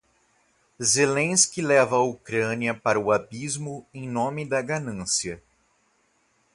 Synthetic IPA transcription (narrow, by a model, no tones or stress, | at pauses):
zelẽskɪlɛvɐaukɾɐ̃niɐpaɾɐuabizmʊẽj̃nõmɪd̪ɐɡanɐ̃siɐ